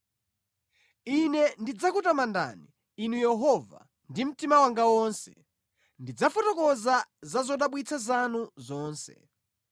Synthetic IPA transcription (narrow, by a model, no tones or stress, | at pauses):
inɛndid͡zakutamanda̰niː | nujɛɦɔva̰ | ndim̩timawaŋɡawɔnsɛ̥̰ | ndid͡zafɔtɔkɔzazazɔɗaɓwit͡sʰazanuzɔːnsɛ̰